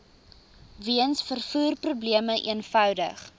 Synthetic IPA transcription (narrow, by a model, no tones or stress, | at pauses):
viənsfərfuːrprubliəməʔḭənfœwdə̰χ